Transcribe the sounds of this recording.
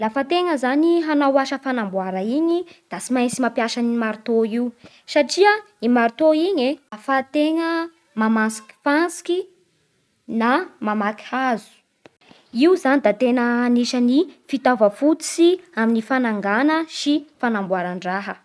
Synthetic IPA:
lafət̪eŋəzaniɦanawaʃəfanambwaɾəiɲid̪̥asimajt͡simapjaʃanimaɾt̪oiu | saʈ͡ʂiə | imaɾit̪oiɲeafat̪eŋə | mamansi̥ki̥fansi̥ki | namamaki̥azu̥ | iuzanid̪at̪enəniʃənifit̪avəfut͡siaminifanaŋɡanəʃifanambwaɾaɳɖ͡ʐaɦə

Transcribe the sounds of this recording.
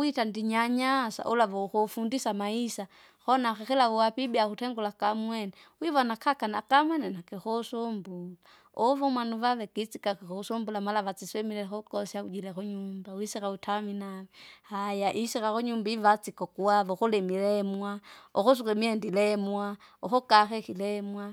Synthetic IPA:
witandiɲaɲasa̰ʔulaʋɔxofundisamaisa | xɔnaxɛxilaʋuwapibiakutɛŋɡulakamwɛnɛ | wiβɔnakakanakamwɛnɛnakixosombula | ɔʋɔmwanuʋaʋɛkit͡sikakixosumbulamalaʋat͡sisɛmilɛxokɔsjaud͡ʒilɛxuɲumbawisikautʰaminaɛhajaʔisikaxoɲumbaiʋat͡sikɔkuaʋɔxolɛmilɛmwaɔxos̬ukɛmiɛndilɛmwa | ɔxɔkaxɛxilɛmwa

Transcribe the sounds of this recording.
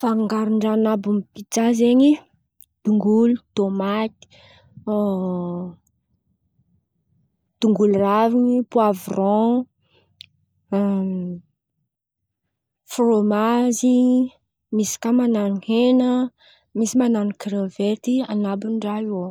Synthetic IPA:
faŋɡaɾiɳɖ͡ʐanabumpit͡sazeɲi | d̪̥uŋɡulut̪omat̪i̥ | d̪̥uŋɡulraviɲipuavrɔ̃ | fromazi | misi̥kamananihenə | misimananikɾevet̪ianabunɖ͡ʐaio

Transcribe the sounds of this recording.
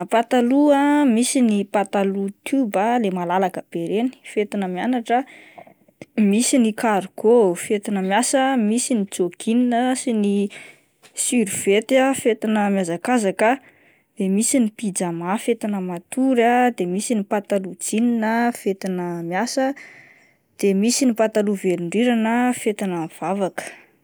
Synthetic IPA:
pat̪aluamisinipat̪alut̪ubalemalalakəb̥eɾeni̥fet̪inəmjanaʈ͡ʂə | misinikaɾɡofet̪inəmjasəmisinit͡sokʰininəsini | syɾiv̥et̪afet̪inəmjazakazakə | d̪̥emisinipid͡zamafet̪inəmat̪uɾad̪emisinipat̪alud͡zininəfet̪inəmjasə | d̪̥emisinipat̪aluveɾiɳɖ͡ʐiɾanəfet̪inəv̥avakə̥

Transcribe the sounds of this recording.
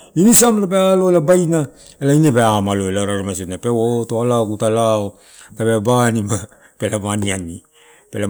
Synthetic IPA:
inisamlapealo̞elabajna | elainebeamalo̞elaɾaɾomasiotnapewotoalaokutalao | tabeabanima | pelamaniani | pela

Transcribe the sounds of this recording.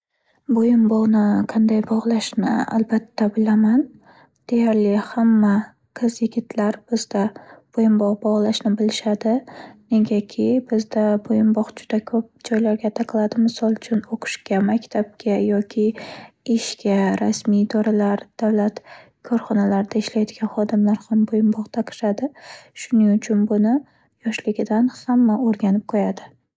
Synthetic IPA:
bojɪmbɒʁnɪqʰɑnd̪ajbɒʁlˠaʃnɪ̰a̰lbat̪ːabɪlaman | d̪̥e̞jaɾlɪhamːa | qʰɨzjɪɡʲɪt̪ʰlaɾb̥ɪzd̪ab̥ojɪmbɒʁbɒʁlˠaʃnɪbɪlɪʃad̪ɪne̞ɡʲakʲʰɪbɪzd̪abojɪmbɒχd͡ʒʊd̪̥akʰɵp̚d͡ʒɒjlaɾɡʲat̪ʰaqʰɨlˠad̪ɪmɪsɒlˠt͡ʃʰʊnoqʰɨ̥ʃkʲamakʲt̪ʰab̚kʲʰajɒkʲʰɪɪʃkʲaɾasmijd̪ɒɾalaɾd̪̥avlat̪ | kʰɒɾχɒnalaɾɪd̪aɪʃlajd̪ɪɡʲanχɒd̪ɪmlaɾχambojɪmbɒʁt̪ʰaqʰɨ̥ʃad̪ɪʃʊnɪŋʊt͡ʃʰʊnbʊnɪ | jɒʃlɪɡʲɪd̪anhamːaoɾɡʲanɪp̚qʰojad̪ɪ

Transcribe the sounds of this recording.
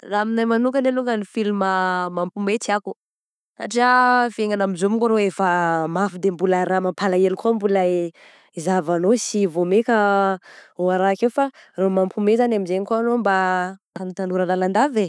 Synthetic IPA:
raminajmanukəneluŋɡənifilməmampumet͡siaku̥ | sa̰ʈ͡ʂiaveŋanamizumiŋkuɾoefəmafid̪embulaɾamampʰalaelikuambula | izavanosivomekʲə | oaɾakewfaromampumezanamizeɲikoanomba | anit̪anuɾəlaland̪ave

